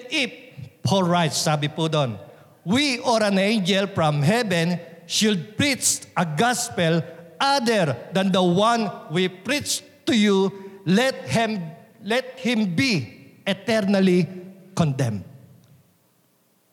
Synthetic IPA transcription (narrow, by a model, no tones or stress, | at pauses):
ʔɪp̚holɹajt̪̚saːbɪpud̪on | wiʔɔɾɐnẽjnd͡ʒɛlfɹɐ̃mɦɛbɛ̃nʃʊd̪̚pɹit̪sʔɐɡaspɛlʔad̪ɛɹd̪ɐnd̪ɐwãnwipɹit̪s | t̪ʊjulɛt̪̚hɛmlɛt̪̚hɪ̃mbiʔɛt̪ɛɹnɐlikɔ̃nd̪ɛ̃md̪